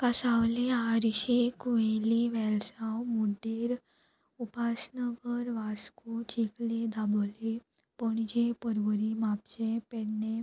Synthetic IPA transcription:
kasawleaɾiɕekueliʋɛlsawmuɖiːɾ | upasnəɡəɾʋaskut͡ɕiklid̪abɔli | pəɳid͡ʑepəɾʋəɾimap̚t͡ɕepeɽne

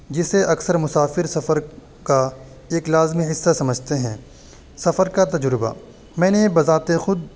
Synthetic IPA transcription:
d͡ʒɪseʔɐksəɾmʊsaːfɪɾsɐfəɾ | ka | eːklaːzmiɦɪsːasɐməd͡ʒʱt̪eɦɛ̃ː | sɐfəɾkat̪ɐd͡ʒɾɪba̰ | mɛ̃ːnebɐzaːt̪exʊd̪̚

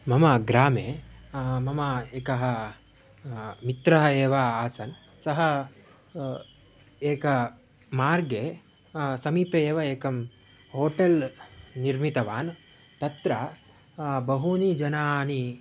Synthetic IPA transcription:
mɐmɐɡɾaːmeː | mɐmɐeːkɐɦɐ | mit̪ɾɐɦɐeːʋaaːsɐn | sɐɦɐ | eːkɐ | maːɾɡeː | sɐmiːpeeːʋɐeːkɐm | hoːʈelniɾmit̪ɐʋaːn | t̪ɐt̪ɾɐ | bɐɦunid͡ʒɐnaːni

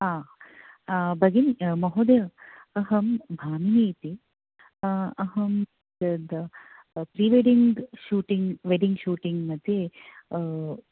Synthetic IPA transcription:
aː | bɐɡinmɐɦod̪jɐɐɦɐmbʱaːmineːt̪i | ɐɦɐm | d̪ɐd̪ | pɾiːʋeɖiŋɡʃuːʈiŋɡʋeɖiŋɡʃuːʈiŋɡmɐd̪ʱje

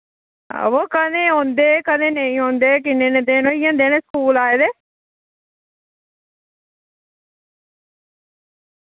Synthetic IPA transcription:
ʋoːkəd̪ẽːɦõːnd̪eːkəd̪ẽːnəĩːɦõːnd̪eːk̬ɪneːnẽːd̪eːnõːiːõːnd̪eːnẽːskuːlaːeːd̪eː

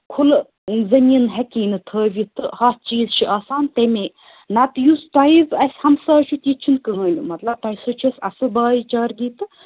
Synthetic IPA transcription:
kʰul | zɐminɦekiːnɨt̪ʰəːʋʲjit̪ɨhɐt͡ʃiːzt͡ʃʰiʔaːsaːnt̪eme | nɐt̪just̪ɐiʋɐsʲhɐmsaːt͡ʃʰut̪ʲit͡ʃʰinkɨɦə̃ːnʲɨmɐt̪lɐb̚t̪ɐjisɐt͡ʃʰusɐ̰sɨbaːit͡ʃaːɾɡiːt̪ɨ

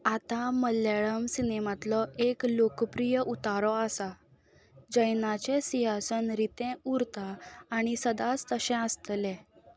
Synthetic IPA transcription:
at̪aməljaɭəmsinemat̪lɔeklokpɾijəʔut̪aɾɔasa | d͡ʑəjnat͡ɕɛsiɦasənɾit̪ɛ̃uɾt̪aːɽ̃isəd̪at͡st̪əɕɛ̃əst̪lɛ̃

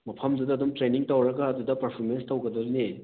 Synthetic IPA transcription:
mɐpʰɐmdudɐːd̪umtɾeniŋtɐwɾɐɡɐːdudɐpɐɾpʰoɾmenstɐwɡɐd̪ɐɾne

